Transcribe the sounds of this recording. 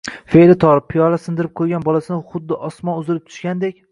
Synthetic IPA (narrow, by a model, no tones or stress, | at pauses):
felɪt̪ʰɒɾɪpʰːijɒlasɪnd̪ɪɾɪp̚qʰojɡʲanbɒlasɪnɪχʊd̪ːɪʔɒsmɒnʊzɪlɪp̚t̪ʰʊ̥ʃkʲand̪ekʲ